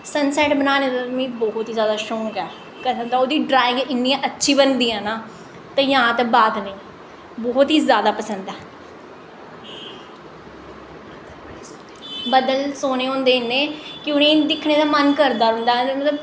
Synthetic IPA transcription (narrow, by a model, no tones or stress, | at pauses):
sənsɛːʈbənaːnẽːd̪amĩːbɔːʊt̪ɦiːzjaːd̪aːʃoːkɛː | kəsənd̪aːoːd̪iːɖɾaːɪ̃ŋɡɪnːĩɛ̃ʔətːʃʰiːbənd̪iːɛ̃ːnaː | t̪ãjãːt̪abaːd̪nəĩː | bɔːɦt̪ɦiːzjaːd̪aːpəsənd̪ɛː | bəd̪əlsoːneːɦõːnd̪eːneːkjõːnẽːd̪ɪkʰneːd̪aːmənkəɾd̪aːɾɦʊ̃nd̪aːemət̪ləb